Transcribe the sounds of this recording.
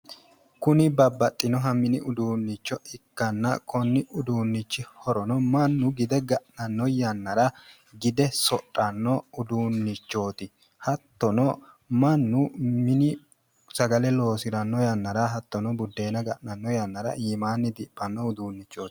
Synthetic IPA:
kʊnɪbɐbːɐt̪ʼːɪnɔɦɐmɪnɪʔʊd̪uːnːɪt͡ʃːɔɪkːɐnːɐkʰɔnːɪʔʊd̪uːnːɪt͡ʃːɪhɔɾɔnɔmɐnːʊɡɪd̪ɛɡɐʔnɐnːɔjɐnːɐɾɐ | ɡɪd̪ɛsɔtʼːɐnːɔʊd̪uːnːɪt͡ʃːo̞ːt̪ɪ | hɐt̪ːɔnɔ | mɐnːʊmɪnɪ | sɐɡɐlɛlo̞ːsɪɾɐnːɔjɐnːɐɾɐɦɐt̪ːɔnɔbʊd̪ːe̞ːnɐɡɐʔnɐnːɔjɐnːɐɾɐ̰ʔiːmaːnːɪd̪ɪpʼːɐnːɔʊd̪uːnːɪt͡ʃːoːt̪ɪ̥

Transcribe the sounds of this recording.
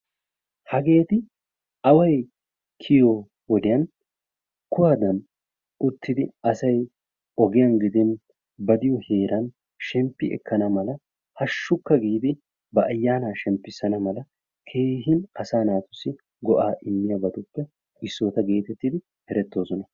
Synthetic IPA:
hɐɡe̞ːt̪ɪ | ɐwɐj | kʰɪjo | wɔd̪ɪjɐn | kːʊwaːd̪ɐn | ʊt̪ːɪd̪ɪɐsɐj | ɔɡɪjɐnɡɪd̪ɛn | bɐd̪ɪjɔhe̞ːɾɐn | ʃɛmpːɪɛ̰kʰːɐnɐmɐlɐ | hɐʃːʊkːɐɡiːd̪ɪ | bɐʔɐjːaːnaːʃɛmpːɪsɐnɐmɐlɐ | kʰe̞ːɦɪnɐsaːnaːt̪ʊ̥sːɪ | ɡɔʔaːʔɪmːɪjɐbɐd̪ʊpːɛ | ɪsːo̞ːt̪ɐɡe̞ːt̪ɛt̪ːid̪ɪ | hɛɾɛt̪ːo̞ːsɔnɐ

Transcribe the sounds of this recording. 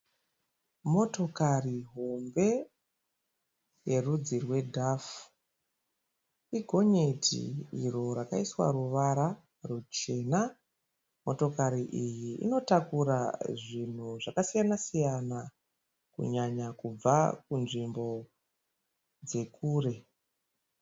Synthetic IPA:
mo̞to̞kariɦombe̞ | je̞rud͡zirwe̞dʱaf | iɡʱo̞ɲetʰḭiro̞ɾakaiswa̰ruʋaɾa | rut͡ʃe̞na | mo̞to̞kaɾiʔijiḭno̞takuɾaʐin̤uʐakasijanasijana | kṵɲaɲakub͡vakunʐimbo̞ | d͡ze̞kʰuːre̞

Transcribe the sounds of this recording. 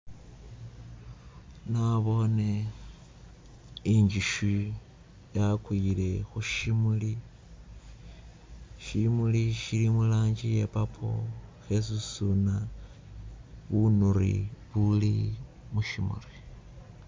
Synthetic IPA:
naβo̞ne | iɲd͡ʒiʃu | jakwile̞xuʃimuli | ʃimuliʃilimulaːɲd͡ʒijepapʰo̰xe̞s̬usuna | βunuɾḭβuli | muʃimṵri

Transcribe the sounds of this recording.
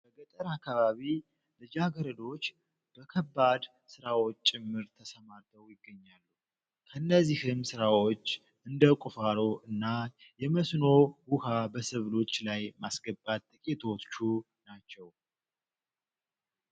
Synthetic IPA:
b̥əɡət̪ʼəɾakːaβaβi | lɨd͡ʒaɡəɾəd̪o̞t͡ʃː | b̥əkʰəbːad̪ | sɨɾawo̞t͡ʃːt͡ʃʼɪmːɨɾt̪ʰəsəmaɾt̪ʰəwjɪɡːəɲːalːu | kʰəɨnːəzːihɨmsɨɾawo̞t͡ʃː | ɨnd̪əkʼufaɾo̞ʔɨnːa | jɛməsno̞wuhabəsɨβlo̞t͡ʃːlajmasɡəbːat̪ːʼɨkʼit̪ʰott͡ʃːu | nat͡ʃːɛw

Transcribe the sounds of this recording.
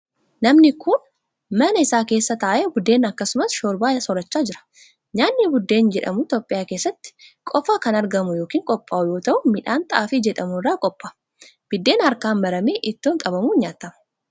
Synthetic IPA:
nɐmnɪkʰʊn | mɐnɐɪsaːke̞ːsːɐt̪ɐːʔeːbʊd̪ːe̞ːnɐkːɐsʊmɐsʃoːɾbaːsɔɾɐt͡ʃːaːd͡ʒɪɾɐ̥ | ɲaːnːibʊd̪ːe̞ːnd͡ʒɛᶑɐ̰mʊt̪o̞ːpʼːɪjaːke̞ːsːɐt̪ːɪ̥kʼɔfaːkɐnɐɾɡɐmʊjo̞ːkiːŋkʼɔpʼːaːʔʊjo̞ːt̪ɐʔʊmɪᶑaːnt̪ɐʔaːfiːd͡ʒɛᶑɐmʊrːaːkʼɔpʼːḁ | b̥ɪd̪ːe̞ːnhɐɾkaːnmɐɾɐmeːʔɪt̪ːoːŋkʼɐbɐmuːɲaːt̪ːɐmɐ̥

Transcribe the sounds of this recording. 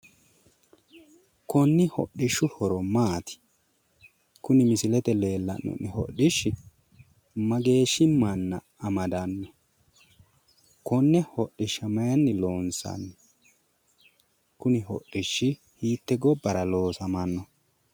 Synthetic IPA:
kɔnːɪhɔ̰ɗɪʃːʊhɔɾɔmaːt̪ɪ̥ | kʊnɪmɪsɪlɛt̪ɛle̞ːlːɐ̰nːɔ̰nːɪhɔ̰ɗɪʃːɪ | mɐɡe̞ːʃɪmːɐnːɐ | ɐmɐd̪ɐnːɔ | kɔnːɛhɔɗːɪʃɐmɐjɐnːɪloːnsɐ̰nːɛ | kʊnɪɦɔ̰ɗːɪʃːɪ | hiːt̪ːɛɡɔbːɐɾɐloːsɐmɐnːɔ

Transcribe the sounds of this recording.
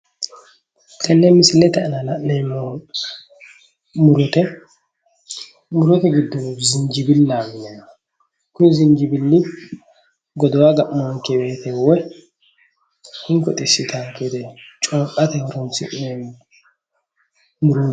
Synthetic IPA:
kʰɐnːeːmɪsɪlːɛt̪ɐʔnalɐʔnem | mʊɾʊt̪ɛ | mʊɾɔt̪ɛɡɪd̪ːɔmuːfzɪɲd͡ʒɪbɪlːaːmɪnɛ | kʊnzɪɲd͡ʒɪbɪlːɪ | ɡɔd̪ɔwaɡɐʔmɔŋkɛbeːt̪ɛwɛ | hɪŋkɔt̪ʼɪsːɪt̪ʰaŋkɛd̪ɛt͡ʃʼoːkʼɐt̪ɐhɔɾɔnsɪ̰ʔne | mʊɾuː

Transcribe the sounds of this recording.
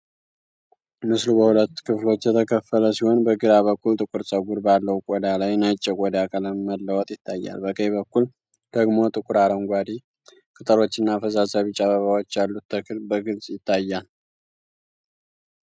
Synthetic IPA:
mɨslubəhulət̪ːkʰɨflo̞t͡ʃːjɛt̪ʰəkʰəfələsiho̞nbəɡɨɾaβəkːult̪ʼɨkʼɨɾsʼəɡuɾbalːəwukʼɔd̪alajnat͡ʃʼːɛkʼɔd̪akʼələmməlːəwɔt̪ʼjɪt̪ʰːajːa̰lbəkʰəjβəkːul | d̪̥əɡmo̞t̪ʼɨkʷʼʊɾaɾəŋɡʷad̪i | kʰʼɨt̪ʼəɾo̞t͡ʃːɨnːafəzasaβit͡ʃʼːaβəβawot͡ʃːalːut̪ʰːəkʰɨlbəɡɨlsʼjɪt̪ʰːajːal

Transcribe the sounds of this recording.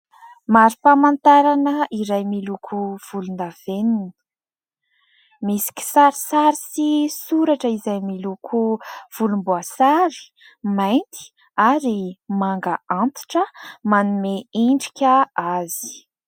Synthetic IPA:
maɾipamant̪aɾanəiɾajmilukʰuv̥ulunav̥enin | misi̥kʲi̥saɾisaɾisisuɾaʈ͡ʂəizajmilukʰuv̥ulumbuasaɾi̥ | majnt̪i̥ | aɾimaŋɡaʔant̪i̥ʈ͡ʂəmanumeiɳɖ͡ʐi̥kʲəazi̥

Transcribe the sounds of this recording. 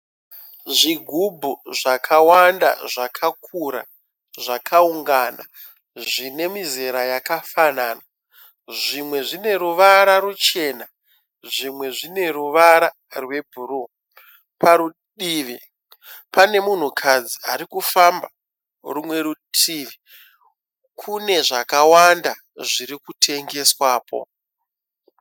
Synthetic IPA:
ʐiɡʱubʱuʐakʰawanda̰ʐakʰakʰuɾa̰ | ʐakʰauŋɡana̰ | ʐine̞mizeɾajakafanana | ʐimwe̞ʐine̞ɾuʋaɾaɾut͡ʃe̞na | ʐimwe̞ʐine̞ruʋaɾa | rwe̞bʱuru | paɾu | ɗiːʋi | pane̞mun̤ukʰad͡ziaɾikufamba | rumwe̞ɾutʰiːʋi | kʰune̞ʐakawanda | ʐiɾikutʰe̞ŋɡe̞swaːpo̞̰

